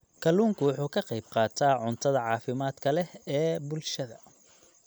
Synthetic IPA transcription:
kʰɐluːŋkʰʊwʊħuːkʰɐqɑjb̚qɑːt̪ʰaːʕʊnt̪ʰɐðɐʕɑːfɪmaːd̪kʰɐlɛhɛːbʊlʃɐðɐ̰

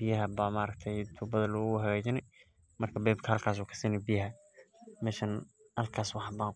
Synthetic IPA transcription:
bɪjɐɦɐbamaɾɐk̚t̪ʰɛjt̪ʰuːbɐðɐlɔːɣʊɦɐɣɛːt͡ʃɪnɛj | mɐrkʰɐbɛːbkʰɐhɐlkʰaːs̬uːkʰɐ̥siːnɛjbijɐɦɐ | mɛːʃɐn | hɐlkʰaːswɑħbaːŋ

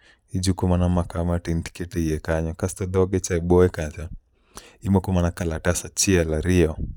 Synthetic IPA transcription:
id͡ʒukɔmanamakamatinti̥kɛtɛiɛkaɲɔkastɔdɔɡɛt͡ʃaɛbɔɛkat͡ʃa | imɔkɔmanakalatasat͡ʃialaɾiɔ

